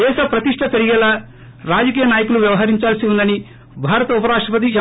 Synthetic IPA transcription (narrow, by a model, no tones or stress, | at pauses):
ɛːʃɐpɾɐt̪iʂʈʰɐpeɾiɡɛlaː | ɾaːd͡ʒɐkiːjɐnaːjɐkuluʋjɐʋɐɦɐɾiɲt͡ʃaːlɐsiund̪ɐni | bʱaːɾɐt̪ɐupɐɾaːʂʈɾɐpɐt̪̬i